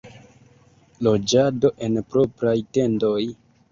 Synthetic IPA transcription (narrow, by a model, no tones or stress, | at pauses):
lo̞d͡ʒado̞ʔe̞npɾo̞pɾajte̞ndo̞j